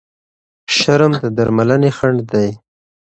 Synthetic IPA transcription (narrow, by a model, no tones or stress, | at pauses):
ʃaɾəmd̪əd̪aɾmalanexaɳɖd̪aj